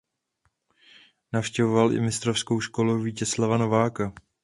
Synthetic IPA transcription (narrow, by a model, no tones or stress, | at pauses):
nafʃcɛvovalʔɪ̰mɪst̪ɾofsko̞wʃko̞luviːcɛslavano̞vaːka